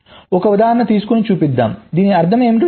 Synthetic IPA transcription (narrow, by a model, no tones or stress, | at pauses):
ɔkɐʋɐd̪aːɾɐɳɐt̪iːsu̥konit͡ʃuːpid̪ːa̰ːmd̪iːniɐɾd̪ʰʱɐmeːmiʈi